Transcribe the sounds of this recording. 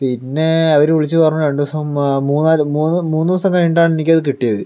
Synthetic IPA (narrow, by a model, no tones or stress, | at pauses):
pinːe̞ɐʋɐɾʋiɭit͡ɕːɨpɐrɐɲːɐʋe̞ɳɖuʋɐsɐmmuːnːaːlmuːnːɨmuːnːiʋɐsɐŋːkɐɭiɳɖaːɳe̞nikʲːɐðɨkiʈːijɐðɨ